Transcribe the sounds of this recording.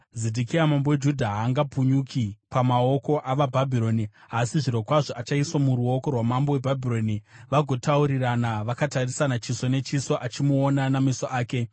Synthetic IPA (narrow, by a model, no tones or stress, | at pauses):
zedʱikiamambowe̞d͡ʒudʱaɦaːŋɡapuɲukʰipamao̞ko̞ʔaʋabʱabʱiɾo̞niasiʐiɾo̞kwaʐoʔat͡ʃaiswamuɾuo̞ko̞rwamambowe̞bʱabʱiro̞niʋaɡʱo̞tauɾiranaʋakatarisanat͡ʃiso̞ne̞t͡ʃiso̞ʔat͡ʃimuonanamisoʔaːke̞